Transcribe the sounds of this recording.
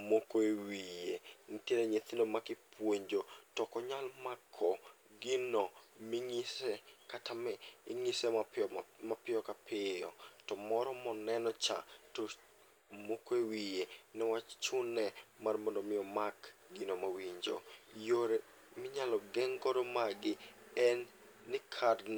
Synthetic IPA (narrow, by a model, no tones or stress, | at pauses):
mokoewijenɪtjeɾɛɲet̪ɪndomakɪpwoɲd͡ʒotɔkɔɲalmakʰːɔ | ɡɪnɔmɪŋisɛkatamɛiŋisɛ | mapɪjɔkapʰɪjɔtɔmɔɾɔmɔnɛnɔt͡ʃa̰to | mokewijenɛwat͡ʃt͡ʃʊnːɛmarmɔndɔmɪjɔmakɡinomawiɲd͡ʒo̰joɾɛ | mɪɲalɔɡɛŋɡɔɾɔmaɡɪ | ɛnː | ɪkʰarn